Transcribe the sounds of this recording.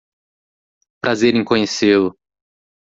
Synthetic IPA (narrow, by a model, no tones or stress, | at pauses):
pɾʔazeɾĩkõɲeselʊ